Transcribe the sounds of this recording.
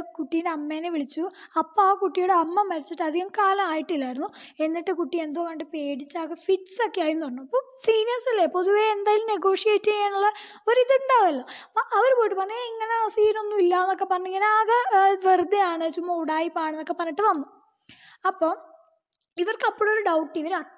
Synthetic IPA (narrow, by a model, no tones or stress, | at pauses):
kuʈːijineɐmːeːneʋiɭit͡ɕːuɐpːoaːkuʈːijoɽeɐmːɐmːɐɾit͡ɕːiʈːɨɐd̪ʱiɣɐmkaːlɐmaːjiʈːilːaːiɾunːue̞nːiʈːɨkuʈːie̞nd̪oːkɐɳɖɨpe̞ːɽit͡ɕːaːɣɐfiʈsokːeaːjunːupɐrɐnːuɐpːoːsiːnijɐrsilːepːoðuʋeend̪aːjilumneɡo̞ːʂijeːtːiɣɐjaːɳuɭːɐ | oɾiðɐuɳɖaːʋɐlːoʔɐʋɐɾupoːjiʈːɨpɐrɐɲːeiŋːɐne̞ɐsiːno̞nːuilːɐenːo̞kːepɐrɐɲːiŋːɐneaːɣɐʋerd̪ɐjaːɳɨt͡ɕumːɐuɽaːjipːaːɳenːokːe̞pɐrnːiʈːɨʋɐnːu | ɐpːo̞ː | iʋɐrkɐpːoːɽeoɾuɖɐwʈːiʋɐɾɐ